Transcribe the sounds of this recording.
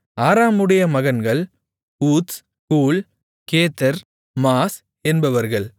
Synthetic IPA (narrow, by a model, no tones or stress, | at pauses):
aːɾaːmɯɽɐjɐmɐɣɐnɡɐɭ | uːt̪s | kuːl | keːt̪ːɐɾ | maːs | ɛnbɐʋɐɾɣɐɭ